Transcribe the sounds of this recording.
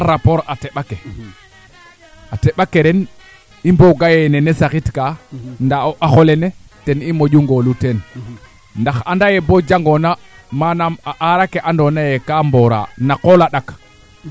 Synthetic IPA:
aɾapoɾateɓake | ateɓakeɾen | imboɡajenenesaxitkandaoʔaxolenetenimoɟuŋɡoluten | ndaxandajebod͡ʒaŋɡona | manamaʔaɾakeʔandonajekamboɾa̰nakolaɗak

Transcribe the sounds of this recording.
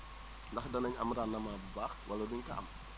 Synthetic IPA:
ndɐxdɐnɐɲɐmɾanːɐmabaxwɐlɐduɲkɐ̰ʔɐ̰m

